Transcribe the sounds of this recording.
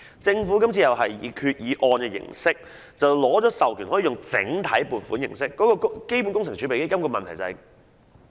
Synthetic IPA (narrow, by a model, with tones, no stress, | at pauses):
t͡sɪ˧ŋfuː˨˥kɐ˥mt͡sʰiː˧jɐ˨wɦɐ˨jːiː˨˧kʰyː˧t̚jiː˨˧ʔɔː˧nkɛː˧jɪ̰˨˩ŋsɪ˥k̚ | t͡sɐ˨wlɔː˨˥t͡ʃɔː˨˥sɐ˨wkʰyː˨˩nhɔː˨˥iː˨˧jʊ˨ŋt͡sɪ̰˨˥ŋt̪ʰɐ˨˥jpuː˨˩nfuː˨˥njɪ˨˩ŋsɪ˥kːɔ˨˥kɔː˧kke˥jp̬u˨˥nkʊ˥ŋt͡sʰɪ˨˩ŋt͡ɕʰt͡ʃʰy˨˧pe˨jke˥jkɐ˥mkɔː˧mɐ˨nt̪ʰɐ˨˩jt͡sɐ˨ɐ˨